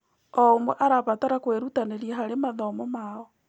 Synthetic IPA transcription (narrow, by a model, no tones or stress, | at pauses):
ɔomwɛʔaɾaβatɔɾakweɾutaneɾiaɦaɾemaðɔmɔmaɔ